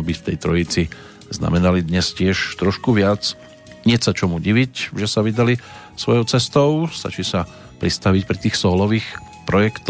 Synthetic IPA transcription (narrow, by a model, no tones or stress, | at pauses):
bift̪ɛjt̪ɾɔit͡si | zna̰mɛnalid̪ɲɛscɪɛʃt̪ɾɔʃkuʋɪat͡s | ɲɪɛsat͡ʃɔmuɟiʋicʒɛsaʋid̪ali | sʋɔjɔʊt͡sɛst̪ɔʊst̪a̰t͡ʃiːsa | pɾist̪aʋicpɾit̪iːxsɔːlɔʋiːx | pɾɔjɛkt̪